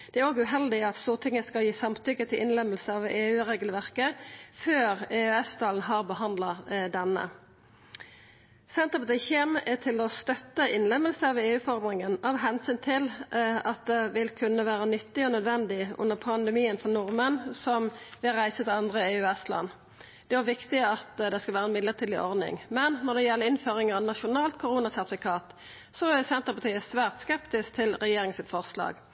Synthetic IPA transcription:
d̪̥ɛæɾoːɡʉɦɛld̪ɪɑt̪st̪uːʁt̪ʰɪŋːəskɑljiːsɑmt̪ʏkːət̪ʰɪlʔɪnlɛmːəlsəɑʋeːʉːʁeːɡəlʋæʁkəføːɾeːʉɛst̪ʰɑːln̩ɦɑːʁbəhɑnd̪lɑd̪ɛnːə̰ | sɛnt̪ʁəpɑt̪ɪçɛmæt̪ʰɪlɔst̪œt̪ːəʔɪnlɛmːəlsəɑʋeːʉːfɔʁmʁɪŋənɑʋɦɛnsyːnt̪ʰɪlɑt̪̚d̪ɛʋɪlkʰʉnːəʋæːɾənʏt̪ːɪɔnœd̪ʋɛnd̪ɪʔʉ̰nːəʁpʰɑnd̪əmiːənfɔnʊʁmənsɔmʋɪɾæɪsət̪ɪɑnd̪ʁəeːʉːɛst̪lɑ̰nː | d̪̥ɛʋɑʋɪkt̪ɪɑt̪d̪ɛskɑʋæːɾəɛnmɪd̪ləʁt̪ʰiːd̪ɪʔɔʁd̪nɪ̰ŋmɛnːɔʁd̪ɛjɛlːəɪnføːɾɪŋəɾɑʋnɑʃʊnɑːlt̪̚kʰʊʁuːnɑsæʁt̪ɪfɪkʰɑːt̪ | sɔæsɛnt̪əʁpɑt̪iːəsʋæːʁt̪skɛpt̪ɪskt̪ʰɪlʁɛjeːɾɪŋənsɪt̪fɔʁslɑ̰ːɡ

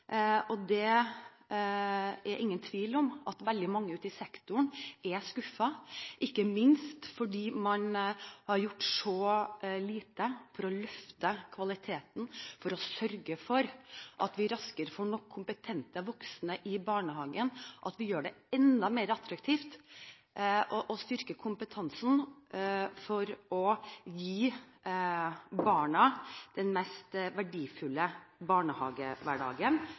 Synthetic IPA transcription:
ɔd̪ɛ | æɾʔɪŋːənt̪ʰʋiːlɔmʔɑt̪ʋɛld̪ɪmɑŋːəʉːt̪ɪsɛkt̪ʊɳʔɛskʉfɑʔɪkːəmɪnst̪fɔɖiːmɑnhɑɾjʊʈːʂɔliːt̪əfɔɾɔlœft̪əkʰʋɑlɪt̪ʰeːt̪n̩fɔɾɔsœɾɡəfɔɾʔɑt̪ʋɪɾɑskəɾfɔɳɔkʰːʊmpət̪ʰɛnt̪əʋɔksnəʔɪbɑːɳəɦɑːɡənɔʔɑt̪ʋɪjøːɖɛɛnd̪ɑmeːɾɑt̪ɾɑkt̪ʰiːft̪ | ʔɔʔɔst̪ʏɾkəkʰʊmpət̪ʰɑnsn̩ | fɔɾɔjiː | bɑːɳɑd̪̥ɛnmɛst̪ʋæɖiːfʉlːəbɑːɳəhɑ̰ːɡəʋæɖɑ̰ːɡən

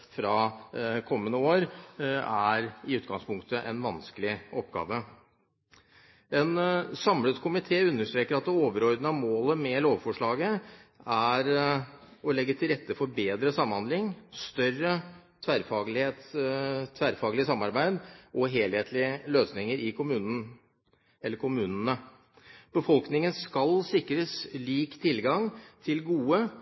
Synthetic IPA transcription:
fɾɑkʰɔmːənəoːɾæɾɪʉːt̪ɡɑŋspʰʊŋkt̪əʔɛnʋɑnskəlɪʔɔpːɡɑ̰ːʋə | ɛnsɑmlət̪kʰʊmɪt̪ʰeːʉnːəʂʈ̪ɾeːkəɾɑt̪̚d̪ɛoːʋəɾɔɾd̪nəɑmoːləmɛloːʋfɔʂɭɑːɡəæɾ | ɔlɛɡːət̪ʰɪlɾɛt̪ːəfɔɾbeːd̪ɾəsɑmhɑnd̪lɪŋst̪œrːət̪ʰʋæɾfɑːɡlɪeːt̪ʰ | ʋæɾfɑːɡlɪəsɑmːɑɾbæɪd̪ʔɔɦeːlheːt̪ʰlɪəløːsnɪŋəɾɪkʰʊmʉːnə | ɛlːəɾkʰʊmʉːnənə | b̥əfɔlknɪŋənskɑlsɪkɾəsliːkt̪ʰɪlɡɑŋt̪ʰɪlɡuːə

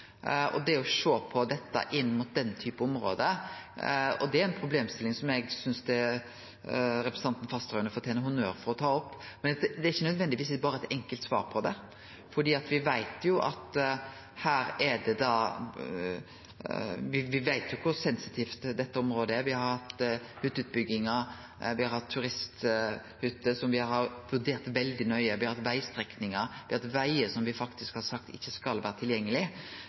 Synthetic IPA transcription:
ɔ̰d̪ɛɔʃoːpʰɔd̪ɛt̪ːə̰ʔɪnːmʊt̪̚d̪ɛnːət̪ʰyːpəɔmɾo̰ːd̪ə | ɔ̰d̪ɛæɾɛnpʰɾʊbleːmst̪ɪlːɪŋsɔmjɛɡsʏnsd̪ɛ | ɾɛpɾəs̩ɑnn̩fɑst̪ɾœːʉnəfɔt̪ʰeːnəɦʊnøːɾfɔɾɔt̪ʰɑːɔpːmɛnd̪ɛɾɪçːənœd̪ʋɛnd̪ɪʋiːsbɑːɾəɛt̪ɛŋkəlt̪sʋɑ̰ːɾpʰɔd̪ɛ | fɔɖ̪iːɑt̪ʋɪʋæɪt̪jʊʔɑ̰t̪ | hæːɾɛd̪ɛd̪ɑ | ʋɪʋɪʋæɪt̪jʊkʰʊɾsɛnsɪt̪ʰiːft̪d̪ɛt̪ːəɔmɾoːd̪əæɾʋɪhɑɾhhɑt̪ːhʉt̪ːʉːt̪̚bʏɡːɪŋə | ʋɪhɑɾhɑt̪ʰːʉɾɪst̪ | hʉt̪ːəsɔmʋɪhɑɾhɑɾʋʉɾd̪eːɾt̪ʋɛld̪ɪnœʏəʋɪhɑɾhɑt̪ʋæɪst̪ɾɛknɪŋəɾʋɪhɑt̪ʋæɪəsɔmʋɪfɑkt̪ɪskhɑɾsɑk̚t̪ɪ̰çːəskɑlʋæːɾət̪ʰɪljɛŋːəlɪ

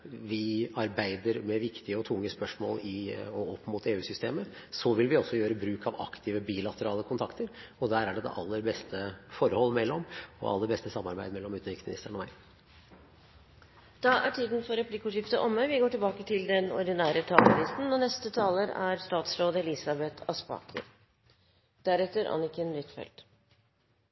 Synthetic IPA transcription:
ʋɪɑɾbæɪd̪əɾmɛʋɪkt̪ɪəɔt̪ʰʊŋːəspœʂmo̰ːlɪɔɔpːmuːt̪eːʉːsʏst̪eːməsɔʋɪlʋɪɔsːɔjøːɾəbɾʉːkʰɑʋɑ̰kt̪ʰɪːʋəbiːlɑt̪əɾɑːləkʰʊnt̪ʰɑkt̪əɾɔd̪æːɾæɖɛd̪ɛ̰ʔɑlːəɾbɛst̪ʰəfɔɾəhɔlːmɛlːɔmɔ̰ɑ̰lːəɾbɛst̪əsɑmːɑɾbæɪmɛlːɔmʉːt̪nʋɪksmɪnɪst̪əɳɔʋæ̰ɪ | d̪̥ɑʔæʈʰiːd̪nfɔɾɛpʰlɪkːəʊʂjɪft̪əʔɔmːəʋɪɡoːʈɪlbɑːkət̪ʰɪld̪ɛnɔ̰ɖ̪ɪnæːɾət̪ʰɑːlmɪnɪst̪n̩ɔnɛst̪ət̪ʰɑːləɾæ̰ɾst̪ɑːt̪sɾoːd̪əɛlɪsɑbɛt̪ʰɑspɑ̰ːkʰə̰ɾ | d̪̥æɾɛt̪ːəɾʔɑ̰nɪkənʋɪt̪fɛ̰ld̪̥

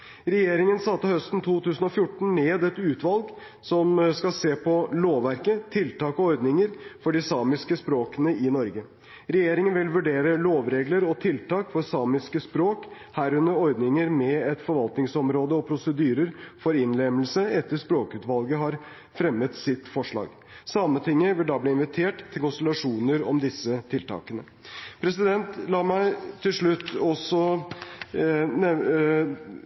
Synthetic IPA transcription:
ɾɛjeːɾɪŋənsɑt̪ːəhœst̪n̩t̪ʰuːt̪ʰʉːsn̩ɔfjʊʈːn̩neːd̪ɛt̪ʉːt̪ʋɑlɡ | sɔmskɑseːpʰɔloːʋæɾkət̪ʰɪlt̪ɑːkɔɔɾd̪nɪŋəɾfɔɖɪsɑːmɪskəspɾoːkənəɪnɔɾɡə | ɾɛjeːɾɪŋənʋɪlʋʉɖeːɾəloːʋɾeːɡləɾɔt̪ʰɪlt̪ɑːkfɔɾsɑːmɪskəspɾoːk | hæːɾʉnːəɾɔɾd̪nɪŋəɾmɛɛt̪fɔɾʋɑlt̪nɪŋsɔmɾoːd̪əɔpʰɾʊsəd̪yːɾəɾfɔɾɪnlɛmlsəɛt̪ːəʂpɾoːkʉːt̪ʋɑlɡəɦɑɾ | fɾɛmːət̪sɪt̪fɔʂɭɑ̰ːɡ | sɑmət̪ʰɪŋːəʋɪld̪ɑːbliːɪnʋɪt̪ʰeːʈt̪ʰːɪlkʊnsəlɑʂuːnəɾɔ̰md̪ɪsːət̪ʰɪlt̪ʰɑ̰ːkənə | pʰɾɛsɪd̪ɛnt̪lɑːmæɪt̪ʰɪlʂɭʉt̪ːɔsɔ | ɛ

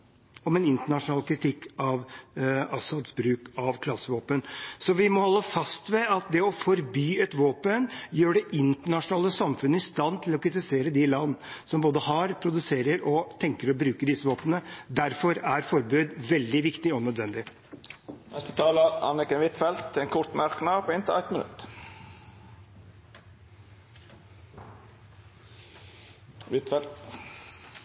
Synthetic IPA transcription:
ɔmɛnɪnt̪əɳɑʂʊnɑːlkʰɾɪt̪ʰɪkːɑʋɑsɑd̪sbɾʉːkɑʋkʰlɑsəʋoːpənsɔʋɪmɔhɔlːəfɑst̪ʋɛɑt̪̚d̪ɛɔfɔɾbyːɛt̪ʋoːpənjøːɖɛʔɪnt̪əɳɑʂʊnɑːləsɑmfʉnːəɪst̪ɑnːt̪ʰɪlɔkʰɾɪt̪ɪseːɾəd̪ɪlɑnːsɔmboːd̪əhɑɾpʰɾʊd̪ʉseːɾəɾɔt̪ʰɛŋkəɾɔbɾʉːkəɖ̪ɪsəʋoːpənəd̪æɾfɔɾæɾfɔɾbʉːd̪ʋɛld̪ɪʋɪkt̪ɪɔnœd̪ʋɛnd̪ɪ | nɛst̪ət̪ʰɑːləɑ̰nɪkənʋɪt̪fɛlt̪ʰɛnkʰʊɾt̪mæɾknɑpʰoːɪnt̪ʰəæɪt̪mɪnʉ̰t̪ | ʋɪt̪fɛlt̪

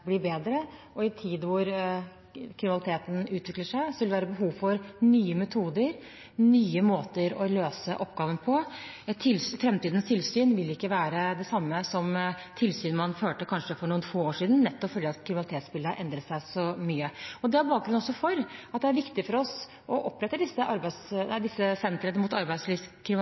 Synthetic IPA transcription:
blɪːbeːd̪ɾə | ɔɪt̪ʰiːd̪ʋʊɾ | kʰɾɪmnɑlɪt̪ʰeːt̪n̩ʉːt̪ʰʋɪkləʂæɪsɔʋɪlʋæːɾəbəɦuːʋfɔɾnyːəmɛt̪ʰuːd̪əɾ | nyːəmoːt̪əɾɔløːsəʔɔpːɡɑːʋənpʰɔ | ɛt̪t̪ʰːɪlsfɾɛmt̪iːd̪ənst̪ʰɪlsyːnʋɪlɪkːəʋæːɾəd̪ɛsɑmːəsɔmt̪ʰɪlsyːnmɑnføːʈəkʰɑnʂəfɔɳuːənfoːoːʂiːd̪n̩nɛt̪ːɔfœljəɑt̪kʰɾɪmnlt̪eːt̪spɪlːəɑʔɛnd̪ɾət̪sæɪsɔmyːəɔd̪ɛɑɾbɑːk̚ɡɾʉnɔsːɔfɔɾɑt̪d̪ɛæɾʋɪkt̪ɪfɔɾɔs | ɔʔɔpːɾɛt̪ːəd̪ɪsːəʔɑɾbæɪsnæɪd̪ɪsːəsɛnt̪ɾənəmut̪ɑɾbæɪd̪sliːskʰɾɪm

